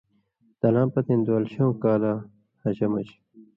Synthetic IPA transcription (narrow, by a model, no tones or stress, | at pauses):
t̪ɐlãːpɐt̪ẽnd̪uɐlɕõːkaːlaː | hɐɕɐmɐt͡ɕ